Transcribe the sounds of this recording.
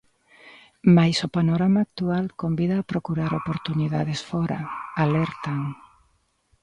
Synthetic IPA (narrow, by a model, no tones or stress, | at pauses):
majsopanoɾamaːk̚t̪ualkombiðaːpɾokuɾaɾopoɾt̪uniðað̞esfɔɾa̰alɛɾt̪aŋ